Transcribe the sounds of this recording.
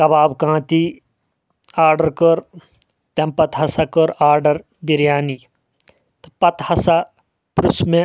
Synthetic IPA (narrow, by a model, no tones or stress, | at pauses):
kɐbaːbkãːt̪i | aːɾɖəɾkəɾ | t̪empɐt̪ɦɐsakəɾaːɾɖəɾ | biɾjaːni | t̪pɐt̪hɐsa | pɾusmẽ